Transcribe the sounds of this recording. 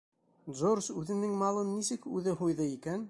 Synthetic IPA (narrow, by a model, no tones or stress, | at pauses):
d̪zoɾsʉðɘ̆nɘŋmɑlˠɤnːisɘkʉðɘɦujðɤikæn